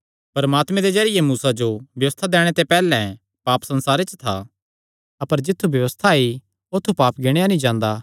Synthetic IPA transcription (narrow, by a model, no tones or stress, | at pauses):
pɐɾɐmaːt̪mɛ̃d̪ezɐɾɪjemuːsad͡ʒobjɐʋəst̪ʰad̪ɛːɽ̃et̪epɛːlɛ̃ | paːpsɐ̃nsaːɾet͡ʃt̪ʰa̰ | ɐpəɾd͡ʒɪt̪ʰːubjɐʋəst̪ʰai | ot̪ʰːupaːpɡɪɽ̃ejanĩd͡ʒãːnd̪a